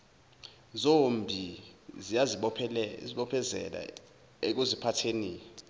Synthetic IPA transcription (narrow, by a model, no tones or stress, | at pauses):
zombʱizijaziɓpʰziɓɔpʰɛzɛ̰la̰ | ek̬uzipʰatʰeniːɔ